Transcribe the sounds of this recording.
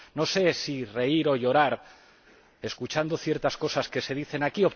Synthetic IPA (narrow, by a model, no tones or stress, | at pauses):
no̞se̞sire̞iɾo̞ʝo̞ɾaɾ | e̞skut͡ʃand̪oθje̞ɾt̪asko̞saske̞se̞ð̞iθe̞nakio